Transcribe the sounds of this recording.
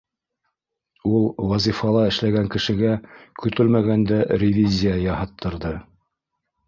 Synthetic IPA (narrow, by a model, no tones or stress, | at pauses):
ulˠwɑzʲifɑlˠɑɘ̆ʃlæɡæŋkɘ̆ʃɘ̆ɡækʰɵ̆t̪ɵlmæɡænd̪æɾʲɪvʲizʲijajɑhɑt̪ʰːɤ̆ɾðɤ